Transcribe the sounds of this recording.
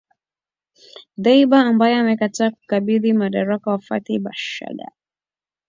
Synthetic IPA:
ðaiɓaːmbajɔamɛkataːku̥kaɓiðimaɗaɾakawafa̰tiɓaʃa̰ɗa̰

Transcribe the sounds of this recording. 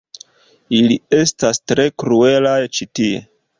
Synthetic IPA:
ilie̞stastɾe̞kɾue̞lajt͡ʃitie̞̰

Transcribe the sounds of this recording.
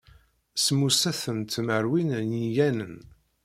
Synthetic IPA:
smusæθənt̪məɾwinnjijænən

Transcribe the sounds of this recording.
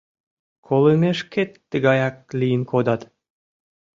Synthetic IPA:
kʰolˠɯmeʃket̪ːɘɡɑjɑk̚lʲiinkʰod̪ɑt̪

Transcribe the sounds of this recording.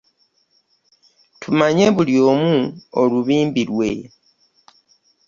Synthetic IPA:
tʰumaɲe̞βuljo̞ːmuoluβiːmbiɾwe̞̰

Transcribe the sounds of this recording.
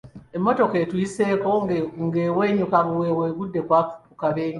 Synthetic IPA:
emːo̞to̞ketuise̞ːkoŋɡeweːɲukaβuweweːɡudːekwaku̥pukaβeːɲu

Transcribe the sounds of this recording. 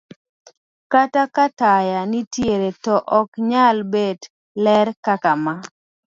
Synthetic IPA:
katakatajanitjeɾetɔʔɔkɲalbed | lɛɾkakama

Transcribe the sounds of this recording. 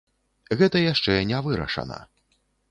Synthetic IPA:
ɣɛt̪ɐjaʂt͡ʂɛnʲɛvɨɾɐ̰ʂɐ̰nɐ̰

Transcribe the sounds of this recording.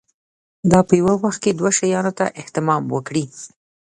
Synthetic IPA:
d̪ɑpəjawawaxt̪̚ked̪waʃajɑnot̪aʔɪht̪ɪmɑmwəkɽi

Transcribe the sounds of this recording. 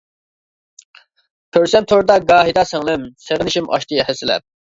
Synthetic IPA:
kʰʲøɾsɛmt̪ʰoɾd̪ɑɡɑːɦid̪ɑsɛŋlˠɪmseʁənɪʃimʔɑ̰ʃt̪ʰɨhɛsɪlɛ̰p̚

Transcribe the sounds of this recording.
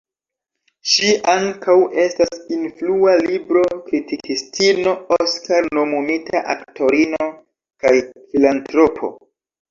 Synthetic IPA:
ʃiʔaŋkawe̞stasinflualibɾo̞kɾitikistino̞oskaɾno̞mumitʰaʔa̰ktʰo̞ɾino̞ | kajfilantɾo̞pʰo̞̰

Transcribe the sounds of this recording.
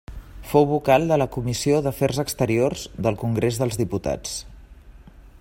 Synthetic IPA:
fowβukalˠd̪ələkumisioðəfɛrzəkst̪əɾiorzðəlˠkuŋɡɾezðəlzðiput̪a̰t͡s

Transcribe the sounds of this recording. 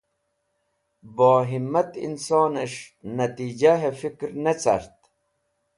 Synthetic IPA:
boːɦimːɐt̪ḭnsoːneʂnɐt̪iːd͡ʑaɦefikɾnet͡sa̰ɾt̪

